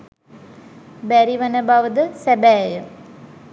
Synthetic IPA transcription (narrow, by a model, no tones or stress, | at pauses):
bæɾiʋənəbaʋəd̪əsæbæːjə